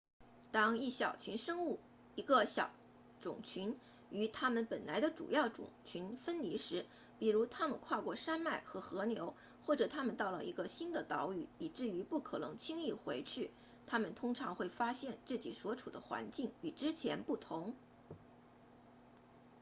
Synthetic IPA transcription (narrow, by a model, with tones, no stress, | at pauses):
t̪ɑ˥ŋi˥˩ɕjɑ˨˩ʊt͡ɕʰy˧˥nʂɤ˥ŋu˥˩ | i˧˥ɡə˧ɕjɑ̰˨˩ʊ | ʈ͡ʂʊ̰˨˩ŋt͡ɕʰy˧˥n | y˧˥t̪ʰa˥mə˨npə˨˩nla̰˧˥ɪd̪ə˧ʈ͡ʂṵ˨˩jɑ˥˩ʊʈ͡ʂʊ̰˨˩ŋt͡ɕʰy˧˥nfə˥nli˧˥ʂɻ̩˧˥ | pi˨˩ɻu˧˥t̪ʰa˥mə˨nkʰwa˥˧kwɔ˥˩ʂa˥nma˥˩ɪxɤ˧˥xɤ˧˥njo˧˥ʊ | xwɔ˥˩ʈ͡ʂɤ˨˩t̪ʰa˥mə˨nt̪ɑ˥˩ʊlə̰˩ʔḭ˧˥ɡə˧ɕi˥nd̪ə˨t̪ɑ˧˥ʊy˨˩i˨˩ʈ͡ʂɻ̩˥˩y˧˥pu˥˩kʰɤ˨˩nɤ̰˧˥ŋt͡ɕʰi˥ŋi˥˩xwe˧˥ɪt͡ɕʰy˥˩ | t̪ʰa˥mə˨nt̪ʰʊ˥ŋʈ͡ʂʰɑ˧˥ŋxwe˥˩ɪfa˥ɕjɛ˥˧nt͡sɹ̩˥˩t͡ɕḭ˨˩swɔ˧˥ʈ͡ʂʰṵ˨˩d̪ə̰˦xwa̰˧˥nt͡ɕi˥˩ŋy˨˩ʈ͡ʂɻ̩˥t͡ɕʰjɛ˧˥npu˥˩t̪ʰʊ˧˥ŋ